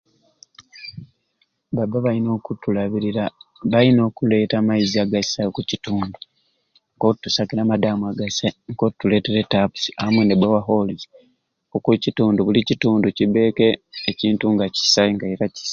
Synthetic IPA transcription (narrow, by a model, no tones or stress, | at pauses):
babaβaino̞ːkutulaβiɾiɾaβaino̞ːkule̞ːtamaiziaɡasajokucituːndu | ŋkotːusakiɾamadaːmuaɡasaŋkotːule̞ːte̞ɾetapu̥si̥aamwenebwewaɦo̞lize | okucituːnduβulicituːnduciβe̞ːke̞ːciːntuŋɡaci̥saiŋɡaeɾaci̥sḁ